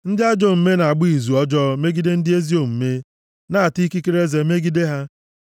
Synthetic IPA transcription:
n̩˦dɪ˦a˦d͡ʒɔ˦m̩˨˦me˦na˨a˨ɡ͡bi˦i˨zu˨ɔ˦d͡ʒɔ˦me˦ɡi˦de˦n̩˦dɪ˦e˦zi˦o˨m̩˨me˦ | na˦a˨ti˦ki˦ki˦ɾe˦ze˨me˦ɡi˦de˦ɦa˦

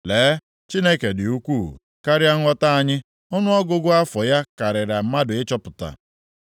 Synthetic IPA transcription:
leː˨˦ | t͡ʃi˦ne˦ke˨dɪ˨u˦kʷuː˦˨ | ka˦ɾja˦ŋʷɔ˦ta˦a˨ɲɪ˦ | ʊ˦nʊ˦ɔ˦ɡʊ˦ɡʊ˦a˦fɔ˨ja˦ka˨ɾɪ˨ɾa˨m̩˦ma˦dʊ˨ɪ˦t͡ʃɔ˦pʊ˨ta̰˨

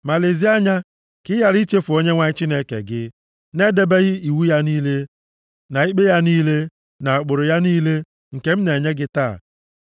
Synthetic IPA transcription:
ma˨le˨zi˦a˦ɲa˦ | kɪ˦ja˨ɾi˦t͡ʃe˦fʊ˨o˦ɲe˦ŋʷa˦ɪ˦t͡ʃɪ˦ne˦kḛ˨ɡɪ˦ | ne˦de˦be˦ɣɪ˦i˨wu˦ja˦niː˦le˦ | na˨i˦k͡pe˦ja˦niː˦le˦ | na˨a˨k͡pʊ˨ɾʊ˨ja˦niː˦le˦ | ŋ̩˨ke˦m̩˦ne˨ɲe˦ɡɪ˦taː˦˨

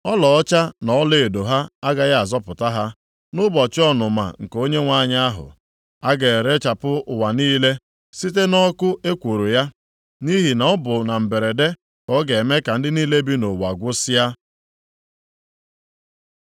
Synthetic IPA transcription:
ɔ˦lɔ˨ɔ˦t͡ʃa˦nɔ˨ɔ˦le˨e˨do˨ɦa˦a˦ɡa˨ja˦a˨zɔ˦pʊ˨ta˦ɦa˦ | nʊ˦bɔ˨t͡ʃɪ˦ɔ˦nʊ˨ma̰˨ŋ̩˨ko˦ɲe˦ŋʷa˦˨ɲa˦a˦ɦʊ̰˨ | a˦ɡe˨ɾe˦t͡ʃa˨pʊ˦ʊ˨wa˨niː˦le˦ | si˦t̬e˦nɔ˦kʊ˦ʔe˦kʷo˨ɾo˨ja˦ | ni˦ɦi˨nɔ˨˦ɔ˦bʊ˨na˨m̩˨be˨ɾe˨de˦ | kɔ˦ɡe˨me˦ka˨n̩˦dɪ˦niː˦le˦bi˦no˨wa˨ɡʷʊ˦sɪ˦ja˦

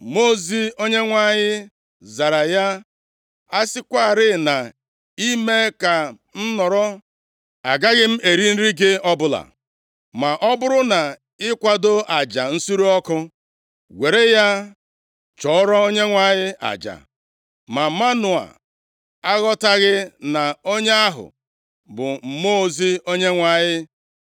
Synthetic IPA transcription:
mo˦zi˦o˦ɲe˦ŋʷa˦˨ɲɪ˦ | za˨ɾa˨ja˦ | a˦sɪ˦kʷa˦˨ɾɪ˦na˨ | i˦me˦ka˨ | n̩˦nɔ˨ɾɔ˦ | a̰˨ɡa˦ɣɪ˦m̩˦e˨ɾi˦n̩˦ɾi˦ɡɪ˦ɔ˦bʊ˦la̰˨ | ma˨ʔɔ˦bʊ˦ɾʊ˦na˨ | ɪ˦kʷa˨do˦a˨d͡ʒa˨n̩˦su˦ɾu˦ɔ˦kʊ˦ | wʷe˨ɾe˦ja˦ | t͡ʃɔ˨ɔ˦ɾɔ˦o˦ɲe˦ŋʷa˨ɲɪ˦ʔa̰˨d͡ʒa̰˨ | ma˨ma˦nʊ˨a̰˨ | a˦ɣɔ˦ta˦ɣɪ˦na˨o˦ɲe˦a˦ɦʊ̰˨ | bʊ˨m̩˨mo˦zi˦o˦ɲe˦ŋʷa˨ɲɪ˦

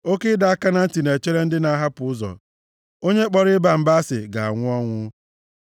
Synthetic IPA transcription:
o˦ke˦da˨a˦ka˦na˦n̩˦ti˨ne˨t͡ʃe˦ɾe˦n̩˦dɪ˦na˦ɦa˦pʊ˨˦ʊ˦zɔ̰˨ | o˦ɲe˦k͡pɔ˨ɾɪ˦ba˨m̩˨ba˦sɪ̰˨ɡa̰˨a̰˨ŋʷʊ˦ɔ˦ŋʷʊ˦

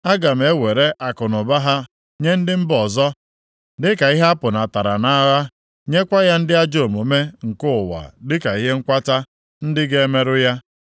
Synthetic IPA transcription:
a˦ɡa˨m̩˨e˦we˨ɾe˦ʔa˨kʊ˨nʊ˨ba˦ɦa˦ | ɲe˦n̩˦dɪ˦m̩˦bɔ˨zɔ˦ | dɪ˦ka˨i˦ɦa˦pʊ˨na˨ta˨ɾa˨na˦ɣa˦ | ɲe˦kʷa˦ja˦n̩˦dɪ˦a˦d͡ʒo˦˨mo˨me˦ŋ̩˨kʊ˦ʊ˨wa̰˨dɪ˦ka˨i˦ɦe˦ŋ̩˦kʷa˦ta˦ | n̩˦dɪ˦ɡe˦e˦me˦ɾʊ˦ja˦

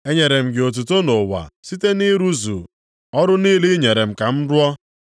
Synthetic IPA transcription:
e˦ɲe˨ɾe˨m̩˨ɡɪ˨o˨t̬u˨to˦no˨wa̰˨si˦te˦ni˦ɾu˦zṵ˨ | ɔ˦ɾʊ˦niː˦li˦ɲe˨ɾe˨m̩˨ka˨m̩˦dʊ˦ɔ˦

